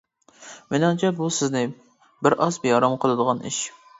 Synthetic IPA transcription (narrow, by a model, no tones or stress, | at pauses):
menɑŋt͡ʃʰɛbusɪznɪ | bɪɾʔɑsbejɑɾɑmqʰəlˠɨd̪əʁɑnɪ̰ʃ